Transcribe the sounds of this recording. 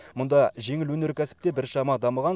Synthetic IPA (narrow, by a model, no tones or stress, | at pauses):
mʊnd̪ɑʒe̞ŋɪlwɵne̞ɾkʲʰæsɪ̥p̚t̪e̞bɪɾʃɑmɑd̪ɑməʁɑn